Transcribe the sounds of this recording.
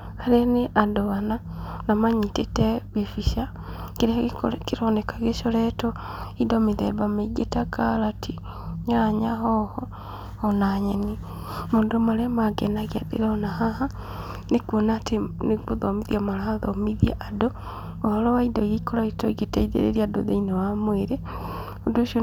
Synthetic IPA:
haɾeneʔandoɣana | namaɲitetɛβefiʃa | keɾɛkeɾɔnekaɣeʃɔɾɛtɔidɔmeðɛ̰bameiɡetakalatʰi | ɲaɾaɲaɦɔhɔ | ɔnaɲeni | mondomaɾɛmaɡɛnaɣiaðḛɾaɔnahaha | nekwonatenekoðɔmiðiamalaaðɔmiðijaʔado | ohɔɾɔwaidɔjeikoɾaitɔiɡetaiðḛɾḛɾiado̰ðḛinewamweɾe | odoʃo

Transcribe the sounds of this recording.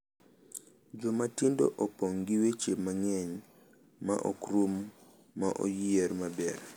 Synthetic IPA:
d͡ʒɔmatindo̰ʔopɔŋɡɪwet͡ʃepmaŋɛɲ | ma̰ʔo̰kɾumː | aʔo̰jijeɾmabɛr

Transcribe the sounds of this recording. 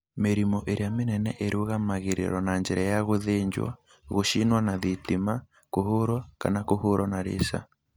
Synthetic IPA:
meɾimɔʔeɾeamenɛnɛʔeɾoɣamaɣeɾḛɾwɔnaɲd͡ʒɛɾajaɣoðeɲd͡ʒwa̰ | ɣoʃinwanaðitima | kohoɾwaka̰nakohoɾwɔnaɾḛsa̰

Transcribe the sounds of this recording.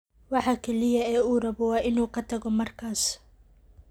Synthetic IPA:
wɑħɑkʰɛlɪjɐɛːuːrɐβɔwɑːʔɪnuːkʰɐt̪ʰɐɣɔmɐrkʰaːs

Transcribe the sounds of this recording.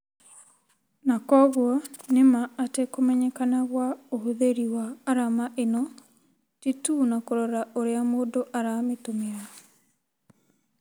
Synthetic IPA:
nakɔɣwɔnemaːtekomɛɲɛkanaɣwaohoðeɾiwaːɾamaʔenɔ | titunakoɾɔɾaʔoɾeamoːndoʔaɾametomea

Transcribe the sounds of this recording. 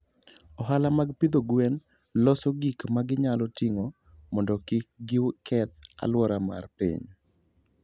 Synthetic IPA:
ɔɦalamaɡpɪd̪oɡwɛn | lɔsɔɡikmaɡɪɲalɔtiŋɔ | mɔndɔkɪɡɪwkɛt̪̚a̰lwɔɾama̰rpḭɲ

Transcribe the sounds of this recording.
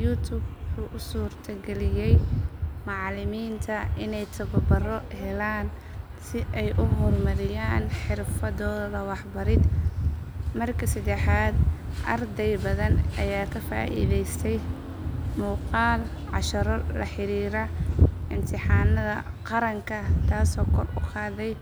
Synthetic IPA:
juːt̪ʰʊbħuːʔʊsuːrt̪ʰɐɡɛlɪjɛjmɑʕlɪmiːnt̪ʰɐʔɪnɛjt̪ʰɐβɐbɐrɔhɛlaːn | sɪʔɛjʔʊɦɔːlmɐɾɪjaːnħɪrfɐðɔːððɐwɑħbɐɾɪd̪ | mɐrkʰɐsɐd̪ɛħaːd̪ʔɐrd̪ɛjbɐðɐnʔɐjaːkʰɐfa̰ːʔḭːðɛjst̪ʰɛj | muːqɑːl | ʕɑʃɐɾɔlɐ̰ħɪɾiːɾɐɪmt̪ʰɪħɑːnɐðɐ̰qɑɾɐŋkʰɐt̪ʰaːsɔːkʰɔrʊqɑːðɛj

